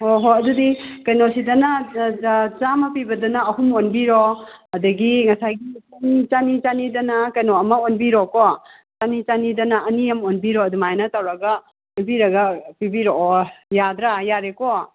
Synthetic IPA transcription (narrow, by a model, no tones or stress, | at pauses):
hoɦoɐdudikɐjnosidɐnɐ | t͡ʃamɐpibɐdɐnɐɐhumonbiɾoɐdɐɡiŋɐsajɡikunt͡ʃanit͡ʃanidɐnɐkɐjnoɐmɐonbiɾɔkɔ | t͡ʃanit͡ʃanidɐnɐʔɐnijɐmonbiɾoɐdumajnɐtɐwɾɐɡɐ | onbiɾɐɡɐpibiɾoɔjadɾajaɾekɔ